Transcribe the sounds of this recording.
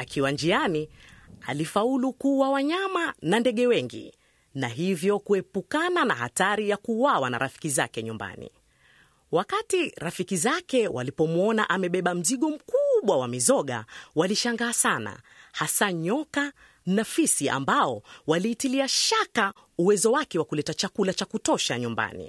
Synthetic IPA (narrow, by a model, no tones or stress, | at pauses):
akʰiwand͡ʒiania̰lifaulukuwawaɲamanandɛɠɛwɛŋɡḭ | naɦivjɔkuɛpukanana̰ɦa̰taɾijakuwawana̰ɾafi̥kiza̰kɛɲumba̰nḭ | wakatiɾafikizakɛwa̰lipɔmɔnaʔamɛɓɛɓam̩ziɠɔm̩kuɓwawamizɔɠa̰waliʃaŋɡaːsana̰ | hasaɲɔka | nafisia̰mbaɔwaliːtiliaʃaka | uwɛzɔwakɛwakulɛtat͡ʃakulat͡ʃakutɔʃaɲumba̰nḭ